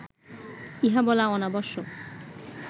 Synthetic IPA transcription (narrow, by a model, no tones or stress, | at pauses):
iɦabɔlaɔnabɔɾʃo